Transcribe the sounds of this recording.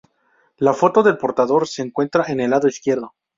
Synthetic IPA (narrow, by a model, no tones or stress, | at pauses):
lafo̞t̪o̞ðe̞lpo̞ɾt̪aðo̞ɾse̞ːŋkwe̞nt̪ɾaʔene̞laðo̞iskje̞ɾðo̞